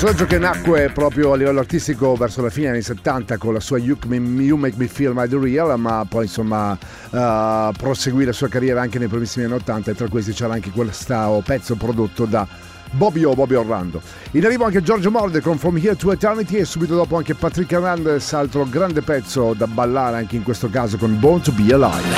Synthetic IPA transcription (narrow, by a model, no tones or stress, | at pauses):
sonad͡ʒːokenakːwepɾɔːpɾjoalːivɛlːoart̪ist̪ikovɛrsolafiːnedjanːiset̪ːant̪akonlasuːajukmijumekmifilmad̪ərialmapːɔjinsomːa | pɾoseɡwilasuːakarjɛːɾaaŋk̟enejpɾimisːimianːiot̪ːant̪aet̪ːɾakwes̬t̪it͡ʃɛːɾaaŋkekwelːst̪aopɛt̪sːopɾod̪ot̪ːod̪a | bɔbjobɔbjorːa̰nd̪o | inarːiːvoaŋked͡ʒɔrd͡ʒomɔrd̪ekonfomihit̪uɛt̪ɛɾnit̪iesːuːbit̪od̪ɔːpoaŋkepat̪ɾikːernand̪ɛsalt̪ɾoɡɾand̪epɛt̪sːod̪abalːaːɾeaŋkeiŋkwest̪okaːzokonbont̪bila̰j